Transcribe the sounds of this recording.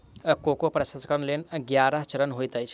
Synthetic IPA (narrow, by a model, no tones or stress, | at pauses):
kokopɾəsɐskəɾnlenɡjaɾəɦt͡ʃəɾənɦojt̪əjt͡ʃʰ